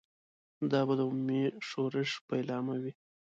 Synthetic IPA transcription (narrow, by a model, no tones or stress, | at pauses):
d̪ɑbad̪əʊmumeʂoɾəʒpəɪlɑmawi